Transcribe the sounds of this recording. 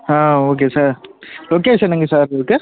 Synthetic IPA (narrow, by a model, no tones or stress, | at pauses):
ãːoːk̬esaːɾlokeːsɐnɐŋɡɐsaːɾɪɾɯkːɯ